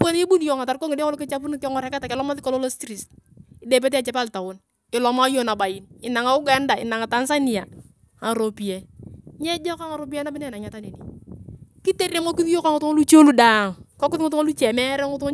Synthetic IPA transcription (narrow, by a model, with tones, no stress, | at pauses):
po˦n˦e˦bu˦n˦jo˨ŋa˨ta˨ɾko˦ŋɪ˨de˦kɔ˦lo˦kɪ˦t͡ʃa˦p̬u˦n˦kɔ˦ŋɔ˨ɾɛ˨ka˦ta˨kɛ˨lɔ˦ma˦ðɪ˦kɔ˦lo˦lo˦stɾi˨st | ɪ˨de˨p̬e˦t̬ɛ˦a˨t͡ʃɛ˨˦pa˦lta˨wo˦n | ɪ˨lɔ˨ma˦jo˦na˨ba˨ji˦nɪ˨na˨ŋa˨u˦ɡa˦nda˨ɪ̰˨na˨ŋa˨ta˦nsa˦ni˨ja˨ | a˨ɾo˨pi˨ɛ˦ɲɛ˦d͡ʒɔ˦ka˦ŋa˨ɾo˦p̬i˦ɛ˦na˦bɪ˦nɛ˦na˨ɲa˦ta˦ne˨ni˨ | ki˦te˦ɾe˦ŋo˦ki˦ði˦jo˦ka˦ŋʊ˨tu˦o˦lu˦t͡ʃo˦lu˦da˨ŋkɔ˦kʊ˦θŋʊ˦t̬u˦ŋo˦lu˦t͡ʃɛ˨mɛ˦ɾɛ˦ŋʊ˦tʊ˦ŋ˦